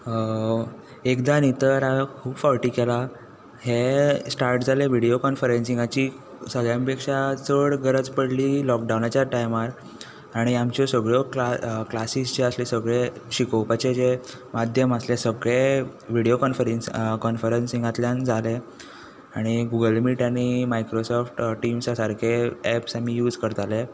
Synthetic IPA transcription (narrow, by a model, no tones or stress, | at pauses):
ekd̪anit̪əɾakʰuːbfɔlʈiːkela | hesʈaɾʈd͡zʱaleʋiɽiokɔnfəɾensiŋɡat͡ɕiː | səɡɭjãmpekʂat͡səɽɡəɾəd͡zpəɽliːlɔk̚ɖawnat͡ɕjaʈajmaɾ | aɽ̃iamt͡ɕɔsəɡɭɔkaklasist͡ɕeəslesəɡɭeɕikopat͡ɕed͡ze | mad̪ʱjəməslesəɡɭe | ʋiɽijokɔnfəɾenskɔnfəɾensĩŋɡat̪ljand͡zʱale | aɽ̃iɡuɡəlmiːʈaɽ̃imajkɾosɔfʈʈimsasaɾkʰeɛpsamijuːd͡zkəɾt̪ale